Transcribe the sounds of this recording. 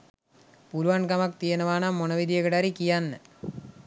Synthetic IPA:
puluʋɐɳkɐmɐk̚t̪ijɐnɐʋaːnamːunɐʋid̪ijɐɡɐɽaːɾikːijanːɨ

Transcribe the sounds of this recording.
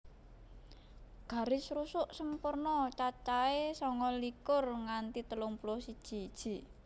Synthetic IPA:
ɡ̥a̤ɾɪsɾusʊʔsəmpʊrnɔt͡ʃat͡ʃaesɔŋɔlikʊrŋant̪it̪əlʊŋpulosid̥ʒ̥i̤d̥ʒ̥i̤

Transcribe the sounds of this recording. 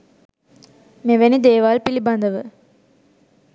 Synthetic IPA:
meʋenid̪eːʋaːlpilibɐnd̪əʋə

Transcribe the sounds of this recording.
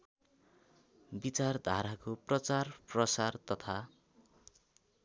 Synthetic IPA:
bit͡sard̪ʱa̰ɾakoprʌt͡sarprʌsart̪ʌt̪ʰa

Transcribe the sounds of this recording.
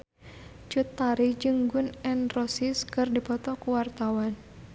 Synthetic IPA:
d͡ʒut̪ːaɾid͡ʒɨŋɡunɛnrɔsɪskɨrdipɔt̪ɔkuwart̪awan

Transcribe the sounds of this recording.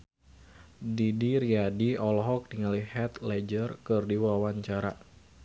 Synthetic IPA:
didiɾiadiɔlɦɔk̚diŋalihɛt̪lɛd͡ʒərkɨrdiwawaɲt͡ʃaɾa

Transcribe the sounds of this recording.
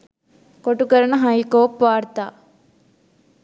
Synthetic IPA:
koʈːukɐɾɐɳɐɦɐjkoːpʋaːɾt̪a

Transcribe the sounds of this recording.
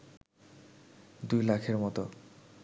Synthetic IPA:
d̪ujlakʰeɾmɔt̪o

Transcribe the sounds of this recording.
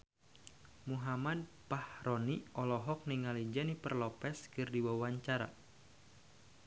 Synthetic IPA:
muɦamad̚ | pahɾɔniɔlɔɦɔk̚niŋalid͡ʒanipərlɔpɛskɨrdiwawaɲt͡ʃaɾa̰

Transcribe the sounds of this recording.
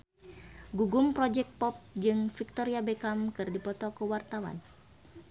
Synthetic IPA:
ɡuɡumpɾɔd͡ʒɛk̚t̪̚pɔp̚d͡ʒɨŋfik̚t̪ɔɾiabɛkamkɨrdipɔt̪ɔkuwart̪awa̰n

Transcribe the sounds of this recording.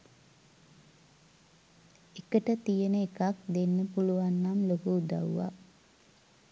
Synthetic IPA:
ekəʈət̪ijənəekakd̪enːəpuluʋanːamlokuud̪a̰ʋuʋa̰

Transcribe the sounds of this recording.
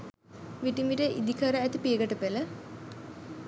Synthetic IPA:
ʋiʈimʋiʈəʔḭd̪ikʰəɾəæt̪ipieɡəʈəpelə

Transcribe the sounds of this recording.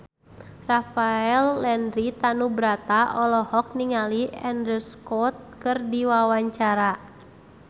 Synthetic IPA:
rafaɛlːɛndɾit̪anubɾat̪aʔɔlɔhɔk̚niŋaliɛndɾəskɔt̪̚kɨrdiwawaɲt͡ʃaɾa

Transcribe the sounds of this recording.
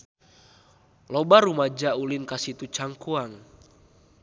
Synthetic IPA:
lɔbaɾumad͡ʒaulinkasit̪ut͡ʃaŋkuaŋ

